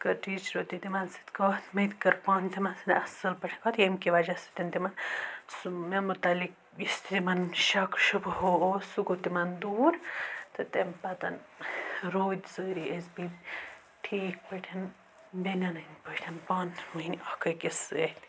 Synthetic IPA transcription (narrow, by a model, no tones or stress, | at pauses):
kɐʈiːt͡ʃɾot̪it̪imɐnsɨ̥t̪ʲkɐt̪mɐt̪ʲkɐɾpaːnt̪imɐnsinɐsɐlpɐʈʰi̥kat̪jemkiʋɐd͡ʒɐsɨ̥t̪ʲɐnt̪imɐnsumemut̪ɐlik̚ | ist̪id̪imɐnʃɐkʃubhoosukot̪imɐnd̪uːɾt̪ʰɨt̪empɐt̪ɐn | ɾoːd̪ʲzəːɾiʔesbi | ʈʰiːk̚pəʈʲʰɐn | benʲɐnɐnʲpəʈʰɐnpaːnmɐinʲɐkɐkʲisɨet̪ʲ